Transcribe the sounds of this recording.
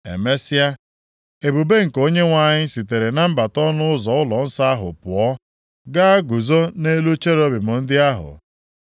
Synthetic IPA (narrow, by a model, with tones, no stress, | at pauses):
ḛ˨me˦si˦a˦ | e˨bu˨be˦ŋ̩˨ko˦ɲe˦ŋʷa˨ɲɪ˦si˨t̬e˨ɾe˨na˦m̩˦ba˨tɔ˦nʊ˦ʊ˦zɔ˨ʊ˦lɔ˨n̩˦sa˦a˦ɦʊ̰˨pʊ˨ɔ˦ | ɡa˦a˦ɡu˨zo˦ne˦lu˦t͡ʃe˦ɾo˦bɪ˨mʊ˨n̩˦dɪ˦a˦ɦʊ̰˨